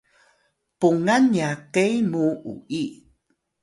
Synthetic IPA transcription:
puŋanjakejmuʔṵʔi

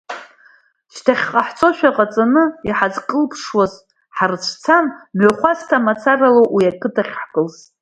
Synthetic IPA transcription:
ʃtʰaχʲqʼaħt͡sʼo̞ʃᶣaqʼat͡sʼanɨiħazkʼɨlpʰʂwaz | ħarɨt͡ɕʷʰt͡sʰanmoχʷaztʰamat͡sʰaraloʔwiakʰʼɨtʰaχʲħkʼɨls

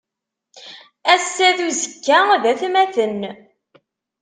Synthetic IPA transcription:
æsːæðuzəkːæðæθmæθən

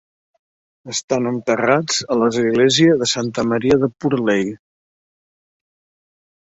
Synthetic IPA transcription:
əst̪anənt̪ərad͡zələzɣleziəðəsant̪əməɾiəðəpuɾlej

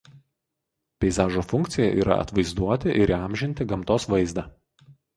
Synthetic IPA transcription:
pʲɛɪzɑːʒoːfʊŋʲkt̪sʲɪjɛ̰ʔiːɾɐ̰ɐ̰t̪ʋɐɪzd̪uɔt̪ʲɪʔɪɾiɑˑmʲʒʲɪnʲt̪ʲɪɡɐmˑt̪oːsʋɐɪzd̪ɑː

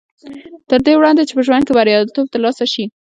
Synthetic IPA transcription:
t̪əɾd̪ewɽɑnd̪et͡ʃe̥pəʒwand̪̚kebaɾjɑd̪t̪ob̚t̪aɾlɑsaʃi

